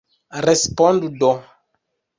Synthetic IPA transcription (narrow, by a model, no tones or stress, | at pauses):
respɔ̃nd̪udɔ